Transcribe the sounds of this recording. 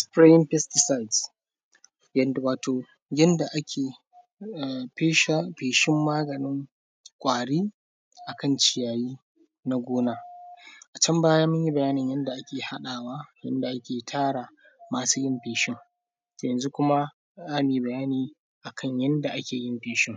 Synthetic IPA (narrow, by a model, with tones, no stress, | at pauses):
spɾe˦jɪ˦mpɛ˦stɪ˨sa˦jds | jɐ˨waː˨tʰoː˨ | jɐ˦nda˨ʔa˦kʲʰeː˨ | peː˦ʃa˦peː˨ʃɪ˦mːaː˦ɡɐ˨nɪ˦ŋ | kʷʼaː˨ɽiː˦ | ʔa˨kɐ˦nt͡ʃɪ˨jaː˨jiː˦ | na˦ɡʷoː˦naː˦ʔa˨t͡ʃɐ˦mbaː˦jaː˦mʊ˦ɲji˦bɐ˨jaː˦nɪ˨ɲjɐ˦nda˨ʔa˦kʲeː˨ha˦ɗaː˨waː˦jɐ˦nda˨ʔa˦kʲeː˨tʰaː˦ɽa˨ | maː˦suː˦jɪ˦mɸeː˨ʃɪ˦ŋ | toː˨jɐ˨nzu˦kʷʊ˦ma˦ | aː˦miː˨bɐ˨jaː˦niː˨ | ʔa˨kʰɐ˦˨ɲjɐ˦nda˨ʔa˦kʲeː˨jɪ˦mɸeː˨ʃɪ˦ŋ